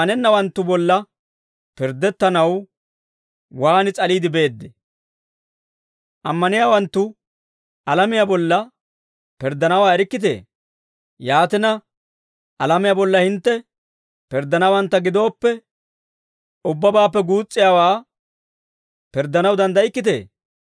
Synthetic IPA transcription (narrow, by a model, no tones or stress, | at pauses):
ɐnɛnːɐwɐnt̪ːʊbɔlːɐ | pɪɾd̪ɛt̪ːɐnɐw | waːnɪt͡sʼɐliːd̪ɪbe̞ːd̪ːɛ | ʔɐmːɐnɪjaːwɐnt̪ːʊ | ɐlɐmɪjabɔlːɐ | pɪɾd̪ːɐnɐwaːɛɾɪkːɪt̪̬ḛː | jaːt̪ɪnɐ | ʔɐlɐmɪjabɔlːɐhɪnt̪ːɛ | pɪɾd̪ːɐnɐwɐnt̪ːɐɡɪd̪o̞ːpːɛ | ʊbːɐbaːpːɛɡuːt͡sʼːɪjawaː | pɪɾd̪ːɐnɐwd̪ɐnd̪ɐɪkːɪt̪̬ḛː